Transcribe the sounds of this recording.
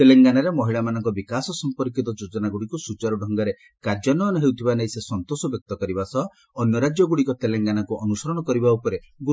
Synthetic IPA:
t̪eleŋɡanaɾemɔɦiɭamanɔŋkɔbikasɔsɔmpɔɾkit̪ɔd͡ʒod͡ʒɔnaɡuɽikusut͡ʃaɾuɖʱɔŋɡaɾe | kaɾd͡ʒɔnɔːnɔɦewt̪ʰibanajsesɔnt̪osɔbjɔk̚t̪ɔkɔɾibasɔ | ɔnjɔɾad͡ʒjɔɡuɽikɔt̪eleŋɡanakuɔnusɔɾɔɽ̃ɔkɔɾibaupɔɾe | ɡu

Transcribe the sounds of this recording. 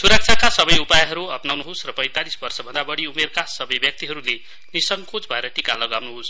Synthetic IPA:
suɾʌk̚t͡sʰakasʌbʌjupajɦʌɾuʌpnawnuɦosrʌpʌjt̪alisbʌrsʌbʱʌnd̪abʌɽiumerkasʌbʌjbjʌk̚t̪iɦʌɾule | nisʌŋkod͡zbʱʌeɾʌʈikalʌɡawnuɦos

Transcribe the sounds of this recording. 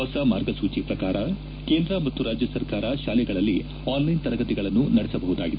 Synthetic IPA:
ɐwsɐmaːɾɡɐsuːt͡ʃipɾɐkaːɾɐ | ke̞ːnd̪ɾɐmɐt̪ːuɾaːd͡ʒjɐsɐɾkaːɾɐʃaːlɛɡɐɭɐlːi | aːnlɐjnt̪ɐɾɐɡɐt̪iɡɐɭɐnːunɐɽɛsɐbɐɦud̪aːɡid̪

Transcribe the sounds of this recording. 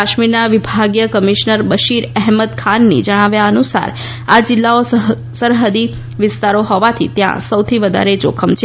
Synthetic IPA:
aʃmiɾnaʋibʱaɡjəkəmiʃnəɾbəʃiɾɛɦməd̪kʰanːḭd͡ʒəɽ̃aʋjaənusa̰ɾ | ad͡ʒɪlːao | səɾɦəd̪i | ʋɪst̪aɾoɦɔʋat̪ʰḭt̪jã̰səwt̪ʰiʋəd̪ʱa̰ɾed͡ʒokʰəmt͡ʃʰe

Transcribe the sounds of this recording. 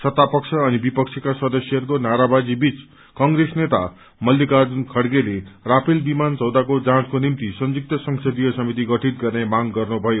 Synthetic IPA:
sʌt̪ːapʌksʰʌːnibipʌkt͡sʰikasʌd̪ʌsjʌɦʌɾukonaɾabad͡zibit͡s | kʌŋɡɾesnet̪a̰ | mʌlːikad͡zunkʰʌɽɡelerapʰilbimant͡sʌwd̪akod͡zãskonimt̪isʌnd͡zuk̚t̪ʌsʌŋsʰʌd̪ijʌsʌmit̪iɡʌʈʰit̪̚ɡʌrnemaɡɡʌrnubʱʌjo

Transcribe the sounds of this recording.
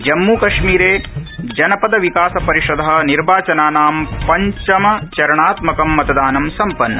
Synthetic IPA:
d͡ʒɐmːuːkɐʂmiːɾeːd͡ʒɐnɐpɐd̪ɐʋikaːsɐpɐɾiʂɐd̪ʱɐɦɐ̆niɾbaːt͡ʃɐnaːnaːmpɐɲt͡ʃɐmɐt͡ʃɐɾɐɳaːt̪mɐkɐmːɐt̪ɐd̪aːnɐmsɐmpɐnːɐ

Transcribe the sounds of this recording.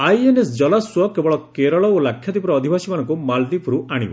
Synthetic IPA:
ajenesd͡ʒɔlaswɔkebɔɭɔkeɾɔɭɔolakʰːjɔd̪ipɾɔːd̪ʱibasimanɔŋkumald̪ipʰɾuaɽ̃ḭbɔ̰

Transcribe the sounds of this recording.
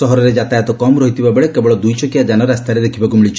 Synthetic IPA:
sɔɦɔɾɔɾed͡ʒat̪ajɔt̪ɔkɔmɾɔɦit̪ʰibabeɭekebɔɭɔd̪ujt͡ʃɔkijad͡ʒanɔɾast̪ʰaɾed̪ekʰibakumiɭit͡ʃʰi̥

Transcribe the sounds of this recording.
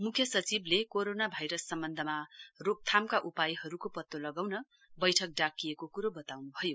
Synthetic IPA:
mukʰjʌsʌt͡siblekoɾonabʱajɾʌsːʌmbʌnd̪ʱʌmarok̚t̪ʰamkaʔupajɦʌɾukopʌt̪ːolʌɡawnʌ | bʌjʈʰʌk̚ɖakːijekokuɾobʌt̪awnubʱʌjo

